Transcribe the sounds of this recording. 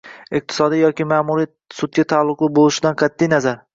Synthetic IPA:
ɪq̚t̪ʰɪ̥sɒd̪ijɒkʲɪmaːmuɾi | sʊt̪̚ɡʲat̪ʰalˠːʊqlˠɪbolˠɪʃɪd̪anqʰɑt̪ʰːijnazaɾ

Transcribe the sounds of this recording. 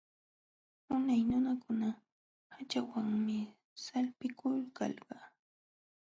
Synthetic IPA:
ʊnajnʊnakʊna | hat͡ʃawaŋmɪ | salpɪkʰʊlkɑ̰lɢɑ

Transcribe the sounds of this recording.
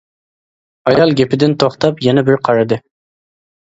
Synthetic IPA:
ɑjɑlˠɡʲepɪd̪ɪnt̪ʰoχt̪ɑpjɛnɛbɪɾqʰɑɾɨd̪ɨ

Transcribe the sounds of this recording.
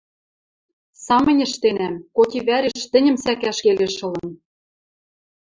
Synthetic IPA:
sɑmɤ̆nʲɘ̆ʃt̪enæmkot̪ʲiβæɾeʃt̪ɘ̆nʲɘ̆msækæʃkeleʃɤ̆lɤ̆n

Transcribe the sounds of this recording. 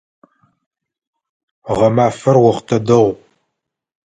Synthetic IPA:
ʁɐmaːfɐrwɐχtʰɐdɐʁʷ

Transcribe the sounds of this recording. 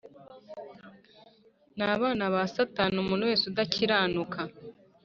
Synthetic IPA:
naβaːnaβasataːnumuːnhuwe̞ːsudaciɾaːnukʰa

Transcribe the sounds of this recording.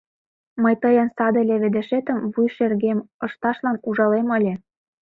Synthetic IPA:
məjt̪ɤjɑnsɑd̪ɤ̆lʲeβĕd̪ĕʃet̪ə̆mvujʃerɣemɤ̆ʃt̪ɑʃlɑnuʒɑlemə̆lʲe

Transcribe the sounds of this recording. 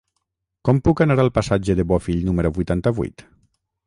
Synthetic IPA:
kɔmpukanaɾalˠpasad͡ʒeðeβɔfiʎnumeɾoβujt̪ant̪aβṵjt̪

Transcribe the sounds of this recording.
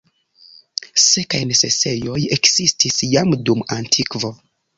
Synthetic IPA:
sekajnese̞̰se̞jo̞je̞kzistisjamdumantʰikvo̞

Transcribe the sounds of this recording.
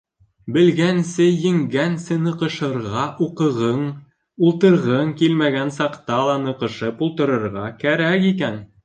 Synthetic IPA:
bɘ̆lɡænsɘjɘ̆ŋɡænsɘnɤ̆qɤ̆ʃɤ̆ɾʁɑʔuqɤ̆ʁɤɴ | ulˠt̪ɤ̆ɾʁɤɴkilmæɡænsɑqt̪ɑlˠɑnɤ̆qɤ̆ʃɤpulˠt̪ɤ̆ɾɤ̆ɾʁɑkæɾækikæn

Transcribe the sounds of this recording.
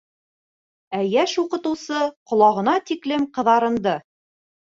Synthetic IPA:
æjæʃuqɤ̆t̪ɤ̆wsɤqŏlˠɑʁɤ̆nɑt̪iklɘmqɤ̆ðɑɾɤ̆nd̪ɤ

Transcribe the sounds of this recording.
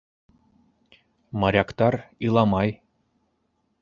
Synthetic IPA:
mɑɾʲɑkt̪ɑrɯlˠɑmɑj

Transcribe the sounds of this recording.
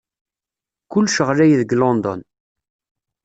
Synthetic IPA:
kʊlːʃəʁlæjðəɡlɔnd̪ɔ̰n

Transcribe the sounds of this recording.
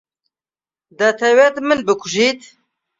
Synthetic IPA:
d̪ɐt̪ʰɛwet̪mɨnbɨkʰʊʒit̪

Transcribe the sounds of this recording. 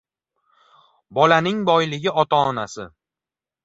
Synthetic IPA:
bɒlanɪŋbɒjlɪɡʲɪɒt̪ʰɒːnasɪ

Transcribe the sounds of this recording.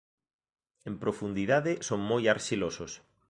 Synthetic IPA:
ẽmpɾofund̪iðaðesoŋmojaɾʃilosos

